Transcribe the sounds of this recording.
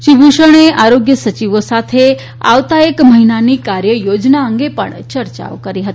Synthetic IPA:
ʃibuʃəɽ̃eʔaɾoɡjəsət͡ʃiʋosat̪ʰe | a̰ʋt̪aekməɦinanikaɾjəjod͡ʒnaəŋɡepə̰ɳt͡ʃəɾt͡ʃa̰ʋokəɾiɦət̪i

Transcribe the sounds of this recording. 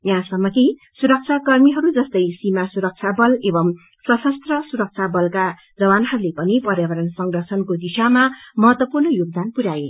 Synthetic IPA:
jãsʌmːʌki | suɾʌk̚t͡sʰakʌrmiɦʌɾud͡zʌst̪ʌjsimasuɾʌk̚t͡sʰabʌlebʌm | sʌsʌst̪rʌsuɾʌk̚t͡sʰabʌlka | d͡zʌbanɦʌɾulepʌnipʌɾjabʌɾʌnsʌŋdʌrsʰʌnkod̪isamamʌɦʌt̪wʌpurnʌjoɡ̚d̪anpuɾae

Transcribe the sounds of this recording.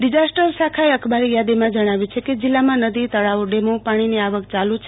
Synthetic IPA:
ɖid͡zasʈəɾsakʰajʌkʰbalijad̪imãd͡ʒʌɽ̃abit͡ʃʰekid͡zilːamanʌd̪it̪ʌɽawɖemopaɽ̃ineaʋʌkt͡ʃalut͡ʃʰ

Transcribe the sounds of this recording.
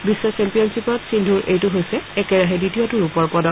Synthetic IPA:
bisːɔsɛmpijɔnsipɔtsindʱuɹʔḛjtʊɦojsɛɛkɛɹaɦɛditiɔtuɹupɔɹpɔdɔ

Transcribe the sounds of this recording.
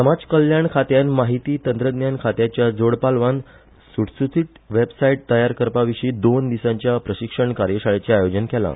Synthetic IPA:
səmad͡zkəljaɳkʰat̪janmaɦit̪iːt̪ənt̪ɾəd̪njankʰat̪jat͡ɕjad͡zoɽpalʋan | suɽsut͡s̪ʰiʈ | ʋebsaiʈ̚t̪əjaɾkəɾpaʋiʂiːd̪ond̪isãɲt͡ɕjapɾəɕikʂəɳkaɾjəɕaɭet͡ɕeajod͡ʑənkɛla̰

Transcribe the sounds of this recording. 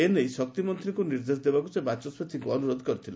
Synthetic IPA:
enejsɔk̚t̪imɔnt̪ɾiŋkuniɾd̪es̬d̪ebakusebat͡ʃɔsbet̪ʰiŋkuɔnuɾɔd̪ʱkɔɾit̪ʰile

